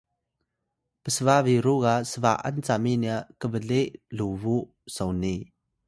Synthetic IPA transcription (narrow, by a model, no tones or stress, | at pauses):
pəsəvaviɾukasəvaʔɐ̰nt͡saminiaʔkəbəleʔluvuʔ | sowni